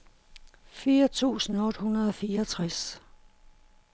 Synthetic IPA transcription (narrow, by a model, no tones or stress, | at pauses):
fiːɐt͡sʰṵːsn̩ɔ̽d̥hunɐðˠɒ̽fiːɐɒt͡sʰʁas